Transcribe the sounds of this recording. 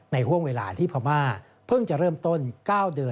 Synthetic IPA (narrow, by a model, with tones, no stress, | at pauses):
na˧jɦu˥˩əŋweː˧la̰ː˨˦t̪ʰiː˥˩pʰa˧maː˥˩ | pʰɯ˥˩ŋt͡ɕa˨˩ʔɾɤː˥˩mt̪o˥˩nkaː˥˩wdɯ˧ə